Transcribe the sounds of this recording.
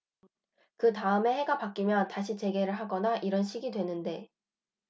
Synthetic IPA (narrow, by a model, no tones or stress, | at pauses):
kɯtaɯme̞he̞ɡapak͈imjʌntaɕʰit͡ɕe̞ɡe̞ɾɯɭɦaɡʌnaʔiɾʌnɕʰiɡidwe̞nɯnde̞